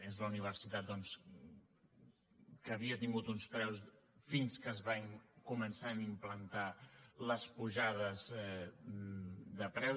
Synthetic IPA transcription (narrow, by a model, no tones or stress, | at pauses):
ezləuniβ̞ərsit̪at̪̚d̪ɔns | kəβiət̪iŋɡut̪unspɾɛwsfinskəːzβaŋkumənsanimplənt̪aləspuʒað̞əzɛ | d̪əpɾɛw